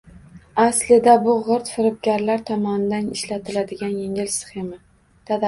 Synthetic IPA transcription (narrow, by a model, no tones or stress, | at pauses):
aslɪd̪abʊʁʊɾt̪fɪɾɪp̚ɡʲaɾlaɾt̪ʰɒmɒnɪd̪anɪʃlat̪ʰɪlad̪ɪɡʲanjeŋɪlsɪ̥χema | t̪ʰad̪a